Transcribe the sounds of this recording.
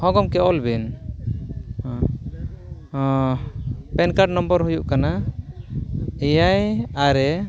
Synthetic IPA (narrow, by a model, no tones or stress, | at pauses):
hɔ̃ɡɔmkɛʔɔlbɛn | pɛnkaʈ̚nɔmbəɾɦujuʔkana | ɛjajaɾɛ